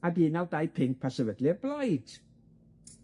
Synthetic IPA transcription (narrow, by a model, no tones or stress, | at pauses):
adiːnawdajpʰɪŋk̚pʰasəvədlɨblˠajd̥